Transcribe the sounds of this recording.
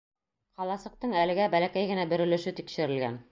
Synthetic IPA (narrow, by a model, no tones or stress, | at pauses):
qɑlˠɑsɤ̆q̚t̪ɤɴælɘ̆ɡæbælækæjɡɘ̆næbɵ̆ɾɵ̆lɵ̆ʃɘt̪ikʃɘ̆ɾɘ̆lɡæ̰n